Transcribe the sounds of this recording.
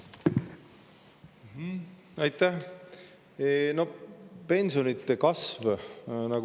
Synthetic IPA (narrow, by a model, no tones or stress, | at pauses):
m̩h̩ | ɑjt̪ːæh | no̞pe̞nsio̞nit̪ːˑe̞kɑsvnɑɡ